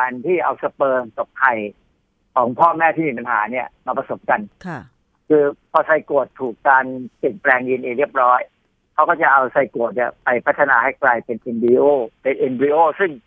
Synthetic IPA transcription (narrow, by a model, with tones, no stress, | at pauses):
aː˧nt̪ʰiː˥˩ʔa˧wsa˧pɤː˧ŋt̪ɔ˨˩p̚t̪ʰa˨˩j | kʰɔː˩˦ŋpʰɔː˥˩mɛː˥˩t̪ʰiː˥˩miː˧p̬a˧nhaː˩˦ni˥˩ɐmaː˧pɾa˧so˨˩˦p̚ka˧nʰ | kʰɯː˧pʰɔː˧sa˧jko˨˩t̪ʰːuː˨˩kːaː˧npi˨˩nplɛː˧ŋji˧nʔeː˧ɾi˥˩p̚ɾɔː˦˥j | kʰa˦˥wkɔː˥˩t͡ɕa˨˩ʔa˧wsa˧jko˨˩t̪̚ni˦˥˩pa˧jpʰa˦˥t̪ʰːa˧naː˧ha˥˩jklaː˧jpe˧nʔe˧nbiː˧ʔoː˥˩pe˧nʔe˧nbi˧ʔoː˥˩sɯ˥˩ŋ